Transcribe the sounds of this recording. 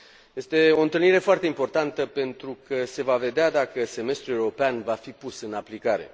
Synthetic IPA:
je̞st̪e̞o̞ɨnt̪ɨlniɾe̞foart̪e̞impo̞rt̪ant̪əpe̞nt̪ɾukʰəse̞vave̞d̪ead̪akəse̞me̞st̪ɾue̞uɾo̞peanvafipusɨnaplikaɾe̞̰

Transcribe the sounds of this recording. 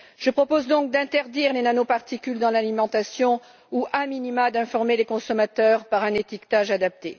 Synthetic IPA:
ʒ̥əpχɔpozd̪ɔ̃k̚d̪ɛ̃t̪ɛʁd̪iʁlenanopaʁt̪ikʲyld̪ɑ̃lalimɑ̃t̪asjɔ̃ | uʔɛ̃minimad̪ɛ̃fɔʁmelekɔ̃sɔmat̪œʁpaʁɛ̃net̪ikt̪aʒad̪ap̚t̪e

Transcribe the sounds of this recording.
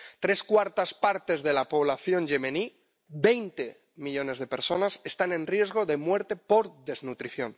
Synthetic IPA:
t̪ɾe̞skwaɾt̪aspaɾt̪e̞zðe̞lapo̞β̞laθjo̞nʝe̞meni | be̞jnt̪e̞ | miʎo̞ne̞zðe̞pe̞ɾso̞nasest̪anẽ̞nrje̞zɣ̞o̞ðe̞mwe̞ɾt̪e̞po̞ɾðe̞znut̪ɾiθjo̞̰n

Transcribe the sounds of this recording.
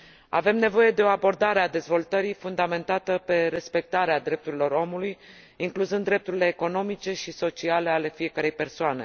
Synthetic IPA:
a̰ve̞mne̞vo̞je̞d̪e̞o̞abo̞rd̪aɾead̪e̞zvo̞lt̪əɾifund̪ame̞nt̪at̪əpe̞ɾe̞spe̞k̚t̪aɾead̪ɾe̞p̚t̪uɾilo̞ɾo̞muluj | iŋkluzɨnd̪ːɾe̞p̚t̪uɾile̞ːko̞no̞mit͡ʃe̞ʃiso̞t͡ʃiale̞ale̞fie̞kəɾe̞jpe̞rsoane̞̰

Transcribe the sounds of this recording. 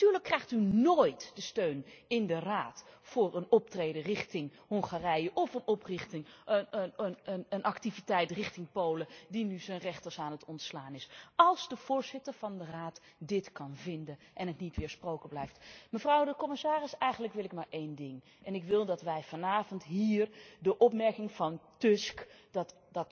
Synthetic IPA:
tyːɹləkːrɛjχtynoːjtd̥əstøɥnɪndəraːtfʊːɹənɔptrejdərɪχtɪŋhɔŋχaːrɛjəʔɔfənɔprɪχtɪŋ | əənʔɑktivitɛjtrɪχtɪŋpowlədinyzənrɛχtəsaːnətɔntslaːnɪsɑlˠzdəv̥ʊːɹzɪtəɹv̥ɑndəraːt | dɪtkɑnvɪndən | ʔɛnɦətnitʋɪːɹsprowkəblɛjftməvrɑwdəkɔmɪsaːrɪsɛjχənləkʋɪlˠɪkmaːɹʔejndɪŋ | ʔɛnɪkʋɪlˠdɑtʋɛjv̥ɑnaːvɔntɦiːrdəʔɔpmɛɹkɪŋv̥ɑntɵsk | dt | dɑt

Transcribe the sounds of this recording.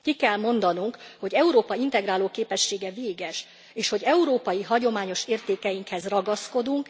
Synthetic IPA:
kikɛlmo̞nd̪ɒnuŋkho̞ɟɛuɾoːpɒint̪ɛɡraːloːkeːpɛʃːeːɡɛveːɡɛʃ | eːʃho̞ɟɛuɾoːpɒjiɦɒɟo̞maːɲo̞ʃeːrt̪eːkɛjiŋkhɛzrɒɡɒsko̞d̪uŋk

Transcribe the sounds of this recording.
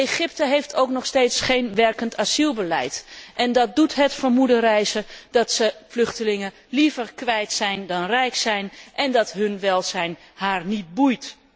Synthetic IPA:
eχɪp̚təɦejftʰowknɔχsteːtsχejnʋɛrkəntʰazilˠbəlɛ̰jtʔɛndɑt̚dutɦətfəɹmudərɛjzəd̥ɑtsəflɵχtəlɪŋə | livəɹkʋɛjtsɛjndɑnrɛjksɛjnʔɛndɑtɦɵnʋɛlˠzɛjn | ɦaːɹnit̚bujt

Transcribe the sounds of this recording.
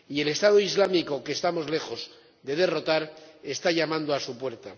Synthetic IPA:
ie̞le̞st̪aðoizlamiko̞ke̞ːst̪amo̞zle̞xo̞z | d̪e̞ð̞e̞ro̞t̪aɾe̞st̪aʎamãnd̪oasupwe̞ɾt̪a

